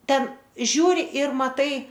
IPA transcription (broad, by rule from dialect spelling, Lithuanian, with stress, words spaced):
ˈtʲɛn ˈʒʲuːrʲɪ ɪr mɐˈtɐɪ